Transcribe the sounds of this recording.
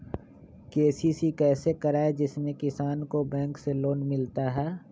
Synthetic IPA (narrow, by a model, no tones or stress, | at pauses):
keːsisikɛːsekɐɾaːed͡ʒɪsmẽkɪsaːnkobɛ̃ːŋkseloːnmɪlt̪aɦɛː